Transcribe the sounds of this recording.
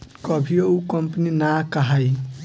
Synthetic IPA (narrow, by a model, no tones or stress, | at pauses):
kəbʱioukəmpninakaɦaj